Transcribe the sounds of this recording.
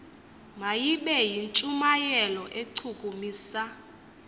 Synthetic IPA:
majiɓɛjint͡ʃʼumajɛlɔʔeǀʰukʼumiːsa

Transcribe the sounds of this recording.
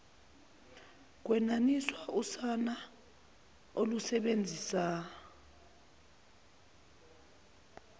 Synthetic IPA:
k̬wɛnaniswausana | olusɛɓend͡zʱisa

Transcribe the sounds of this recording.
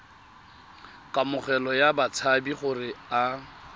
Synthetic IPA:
kʼamʊχɛlɔjabat͡sʰabiχʊrɪa

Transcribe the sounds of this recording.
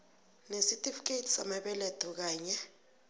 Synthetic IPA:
nesitʼifi̥k̬ʼetʰi̥samaɓɛlɛtʰuk̬aːɲɛ

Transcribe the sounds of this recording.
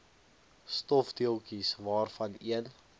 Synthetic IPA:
stɔfdiəlˠkisvɑːrfɐniən

